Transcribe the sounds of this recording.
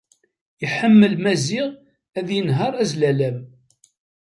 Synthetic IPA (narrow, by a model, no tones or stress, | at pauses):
jəħəmːəlmæzɪʁ | æðjənɦəɾˤæzlælæm